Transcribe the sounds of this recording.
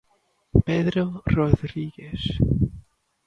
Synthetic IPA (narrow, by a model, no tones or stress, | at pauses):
peðɾoroðɾiɣes